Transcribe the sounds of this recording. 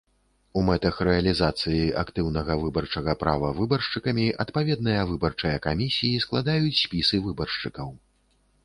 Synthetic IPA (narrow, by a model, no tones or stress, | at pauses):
umɛt̪ɐxɾɛɐlʲizat̪sɨjia̰kt̪ɨwnɐɣɐvɨbɐrt͡ʂɐɣɐpɾa̰vɐvɨbɐrʂt͡ʂɨkɐmʲiʔɐt̪pavʲɛd̪̚nɨjɐvɨbɐrt͡ʂɐjɐkamʲisʲijisklˠad̪ajut͡sʲsʲpʲisɨvɨbɐrʂt͡ʂɨkɐw